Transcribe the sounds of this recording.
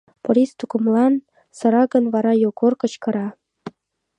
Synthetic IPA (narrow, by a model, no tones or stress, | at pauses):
pŏɾʲist̪ukɤ̆mlˠɑn | sɤ̆ɾɑɡɤ̆nvɑɾɑjokorkɤ̆t͡ɕkɤ̆ɾɑ